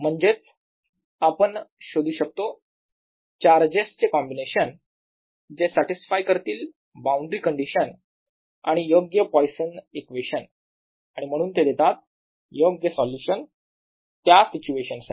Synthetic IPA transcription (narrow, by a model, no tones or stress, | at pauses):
m̤əɳd͡ʑet͡s | apəɳɕod̪uːɕək̚t̪o | t͡ɕaɾd͡ʑest͡ɕekɔmbineɕən | d͡ʑesaʈisfajkəɾt̪iːl | baũɳɖɾiːkəɳɖiɕən | aɽ̃ijoɡjəpɔjsənekʋeɕən | aɽ̃im̤əɽ̃uːnt̪ed̪et̪at̪̚ | joɡjəsɔljuɕən | t̪jasit͡ɕueɕənsa